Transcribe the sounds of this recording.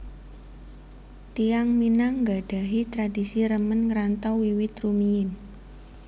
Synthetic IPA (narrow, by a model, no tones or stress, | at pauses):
t̪ijaŋminaŋɡa̤ɖ̥a̤ɦit̪ɾadisiɾəmənŋɾant̪ɔwiwɪt̪rumiɪn